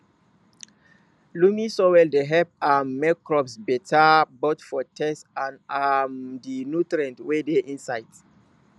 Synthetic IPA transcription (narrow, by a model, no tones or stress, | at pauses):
lumĩsowɛldeɦɛp̚ammɛkːɹɔpsbɛtʰabotfɔtʰɛsãnamdinutɹiɛ̃ntwedeʔĩnsajt